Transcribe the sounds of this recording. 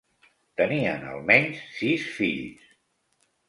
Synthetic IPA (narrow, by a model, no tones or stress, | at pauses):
t̪əniə̰nə̰lˠmɛɲsːisfiʎs